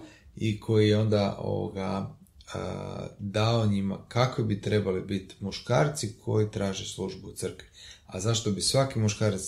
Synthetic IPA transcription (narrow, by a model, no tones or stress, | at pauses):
ikʰo̞jijeo̞nd̪aʔo̞̰o̰ɡa̰ə̰d̪aoɲima̰kakʋibit̪ɾe̞balibit̪muʃkaːɾt̪sikʰo̞jit̪ɾaːʒeslˠuʒbut̪sɨr̩kʋiazaʃt̪obisʋakimuʃkaːɾat̪s